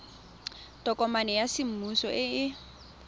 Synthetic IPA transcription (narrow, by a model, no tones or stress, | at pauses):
tɔkʼɔmanɛjasɪm̩musɔʔɪɪ